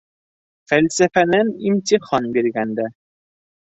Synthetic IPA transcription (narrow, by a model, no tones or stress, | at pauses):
fælʲsæfænænimt̪ʲiχɑnbiɾɡænd̪æ